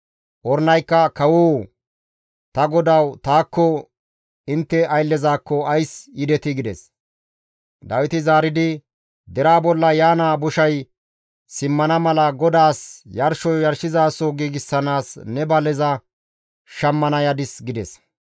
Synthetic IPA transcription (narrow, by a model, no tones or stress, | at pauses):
ʔɔɾnɐjkːɐkɐwoː | t̪ɐɡɔd̪ɐwt̪aːkːɔ | ɪnt̪ːɛɐjlːɛzaːkːɔɐjsjɪd̪ɛt̪ɪɡɪd̪ɛs | d̪ɐwɪt̪ɪzaːɾɪd̪ɪ | d̪ɛɾaːbɔlːɐjaːnaːbʊʃɐj | sɪmːɐnɐmɐlɐɡɔd̪aːsjɐɾʃɔjjɐɾʃɪzaːsoːɡiɡɪsːɐnaːsnɛbɐlɛzɐ | ʃɐmːɐnɐjɐd̪ɪsɡɪd̪ɛs